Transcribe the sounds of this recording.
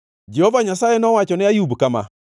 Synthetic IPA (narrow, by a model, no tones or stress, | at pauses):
d͡ʒehɔvaɲasajɛnɔwat͡ʃɔnɪajubkama̰